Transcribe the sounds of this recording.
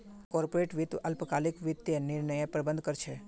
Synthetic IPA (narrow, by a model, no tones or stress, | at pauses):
kɔɾpoɾeʈʋit̪əlpəkalikʋit̪ːjənɪɾɳəjepɾəbənd̪kəɾt͡ʃʰe